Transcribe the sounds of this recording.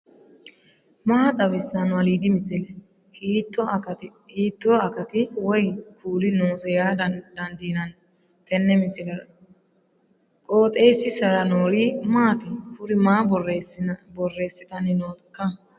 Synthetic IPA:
maːt̪ʼɐβɪsːɐnʊɐliːd̪ɪmɪsɪlɛ | hiːt̪ːɔɐt̪hiːt̪ːɔwɐɐkɐt̪ɪwɔjkʰuːlɪnoːsɛjaːd̪ɐd̪ɐnd̪iːnɐn | t̪ɛnːɛmɪsɪɡɐɾɐ̰ | kʼo̞ːt̪ʼːejsːɪsɐɾɐnoːɾimaːt̪ɪkʊɾɪmaːbɔrsbɔrːe̞ːsːɪt̪ɐnːɪnoːkːɐ

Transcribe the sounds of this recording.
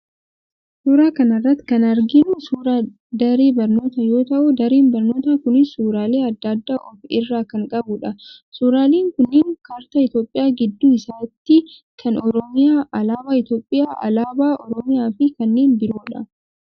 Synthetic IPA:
suːɾaːkɐnɐrːɐt̪ːɪ̥kɐnɐɾɡɪnʊsuːɾaː | d̪ɐɾeːbɐɾno̞ːt̪ɐjo̞ːt̪ɐʔʊd̪ɐɾeːnbɐɾno̞ːt̪ɐkʊnɪsːuːɾaːleːɐd̪ːɐd̪ːaːʔɔfɪrːaːkɐŋkʼɐbʊᶑɐsuːɾaːleːŋkʊnːɪŋkɐɾt̪ɐɪt̪joːpʼːɪjaːɡɪd̪ːuːɪsaːt̪ːɪ | kʰɐnɔɾɔmɪjaːʔɐlaːbaːɪt̪jo̞ːpʼːɪjaːʔɐ̰laːbaːʔɔɾɔmɪjaːfɪkɐnːeːnbɪɾoːᶑɐ

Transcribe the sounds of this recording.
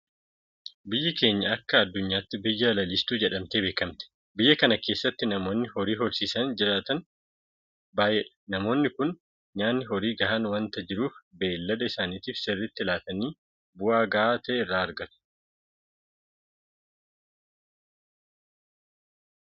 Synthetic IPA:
bɪjːɐke̞ːɲːɐɐkːɐːd̪ːʊɲːaːt̪ːɪbɪjːɐːlɐlɪːst̪uːd͡ʒɛᶑɐmt̪e̞ːbe̞ːkɐmt̪ɛ̥ | bɪjːɐkɐnɐke̞ːsːɐt̪ːɪnɐmo̞ːnːɪhɔɾiːɦɔɾsiːsɐnd͡ʒɪɾaːt̪ɐn | baːjɛᶑɐ̥nɐmo̞ːnːɪkʊn | ɲaːnːɪɦɔɾiːɡɐhanwɐnt̪ɐd͡ʒɪɾuːfbe̞ːlːɐd̪ɐɪsaːniːt̪iːfsɛrːɪt̪ːɪlaːt̪ɐniː | bʊaːɡɐaːt̪ʰɐʔɛɪrːaːɐɾɡɐt̪ʊ̥

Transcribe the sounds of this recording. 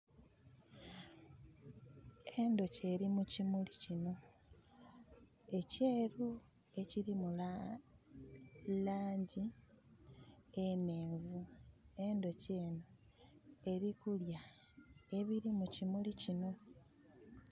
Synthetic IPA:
e̞ndo̞ce̞ɾimucimulicino̞ | e̞ce̞ːɾu | e̞ciɾimula | laːɲɟi | e̞ne̞ːŋɡu | e̞ndo̞ce̞ːno | e̞ɾikulja | e̞βiɾimucimulicino̞

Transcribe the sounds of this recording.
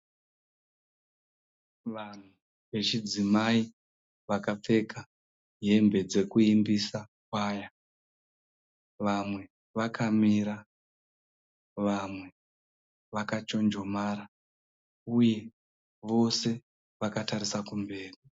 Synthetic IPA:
ʋan̤u | ʋe̞t͡ʃid͡zimai | ʋakap͡fe̞ka | je̞mbe̞d͡ze̞kuimbisa | kwaːja | ʋamwe̞ | ʋakʰamiɾa | ʋamwe̞ | ʋakat͡ʃo̞nd͡ʒo̞maɾa | uje̞ | ʋo̞se̞ | ʋakataɾisakumbe̞ːri

